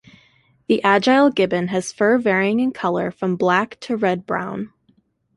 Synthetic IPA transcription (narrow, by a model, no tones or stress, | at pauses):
ðiʔæd͡ʒaɪlˠɡɪbɨ̃nɨz̥fɜ˞vɛɹiɪ̃ŋɨ̃nkʰʌlˠə˞fɹʌ̃mblæktʰɨɹɛd̚bɹã̰ʊ̃n